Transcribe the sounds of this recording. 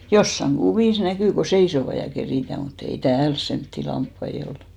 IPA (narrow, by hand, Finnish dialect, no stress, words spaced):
josːɑŋ ɡ̊uʋiˑs nækyˑ ko seisoʋɑ jɑ keriˑtæˑ mut ei tæːls semtːi lɑmpːɑi ol